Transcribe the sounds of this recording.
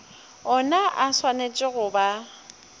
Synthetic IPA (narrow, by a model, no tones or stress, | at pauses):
ɔnaʔaswanet͡ʃʼɪɣʊba